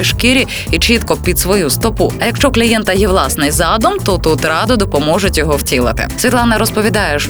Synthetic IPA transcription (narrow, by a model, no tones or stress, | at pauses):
ɪʃkɪɾʲi | it͡ʃit̪kɔpʲid̪sʋɔjust̪ɔpuɐjɐkʃt͡ʃɔklʲijɛnt̪ɐjɛʋlˠɑsnɪjzɑd̪ɔmt̪ɔt̪ut̪ɾɑd̪ʊd̪ɔpɔmɔʒʊtʲjɔɦɔwtʲilˠɐt̪ɪ̰sʲʋʲit̪lˠɑnɐɾɔspɔʋʲid̪ɑjɛʃ